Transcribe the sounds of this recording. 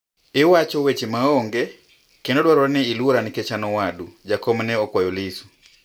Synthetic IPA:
ewat͡ʃɔwet͡ʃemaɔŋɡɛ | kɛndodwaɾɔɾnɛiluɾanikɛt͡ʃanɔwadud͡ʒakɔmnɛɔkwajolisu̥

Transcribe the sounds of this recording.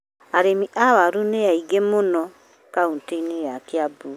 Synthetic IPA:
aɾemiʔawaɾuneaiɡemonɔ | kaunteinejakeabu

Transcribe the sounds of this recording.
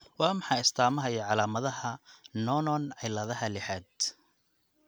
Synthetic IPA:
wɑːmɑħɑjɪst̪ʰaːmɐɦɐjɐʕɑlaːmɐðɐɦɐnɔnɔnʕɛjlɐðɐɦɐlɪħaːd̪

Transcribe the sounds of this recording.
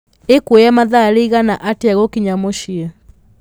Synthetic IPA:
ekuɔjamaðaliɣanaʔatiaɣɔkiɲamɔʃia

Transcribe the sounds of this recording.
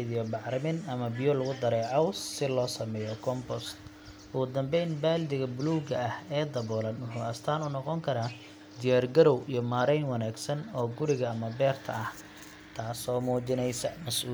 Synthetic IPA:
ðɪjɔbɑʕɾɪmɪnɐmɐbɪjɔlʊɣʊd̪ɐɾɛːʕɔwsɪlɔːsɐmɛːjɔkʰɔmbɔst̪ | ʔʊɣʊd̪ɐmbɛjnbaːld̪ɪɣɐbʊluːɡɐɐhɛːd̪ɐβɔːlɐnwʊħṵːɐst̪ʰaːnʊnɔqɔŋkʰɐɾaː | d̪ɪjaːrɡɐɾɔwijɞmaːɾɛjnwɐnaːɡsɐnɔːɡʊɾɪɣɐːmɐbɛːrt̪ʰɐ̰ʔɐh | t̪ʰaːsɔːmuːt͡ʃɪnɛjsɐmɐsʔuː

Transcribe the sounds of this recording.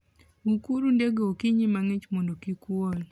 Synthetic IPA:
ukuɾundeɡookiɲimaŋet͡ʃmondokikwɔl

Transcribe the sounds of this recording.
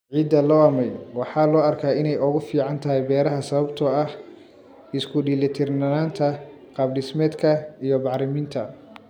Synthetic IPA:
ʕiːd̪ɐlɔːɐmɛjwɑħɑːlɔːɐrkʰaːɪnɛjʊɣʊfiːʕɑnt̪ʰɐɦɛjbɛːɾɐɦɐsɐβɐbt̪ʰɔɐh | ɪskʰʊɖiːlɪt̪ʰɪrnɐnaːnt̪ʰɐ | qɑbɖɪsmɛːd̪kʰɐijɔbɑħɾɪmiːnt̪ʰɐ̰

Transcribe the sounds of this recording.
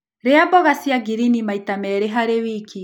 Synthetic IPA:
ɾeabɔɣasiaɡiɾinimaitamɛɾeɦaɾewikʰi

